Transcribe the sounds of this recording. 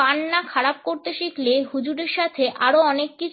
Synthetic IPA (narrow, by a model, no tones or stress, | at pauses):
anːakʰaɽap̚koɾt̪eʃikleɦud͡ʑuɖeɾʃat̪ʰeʔaɾoɔnekːit͡ɕʰ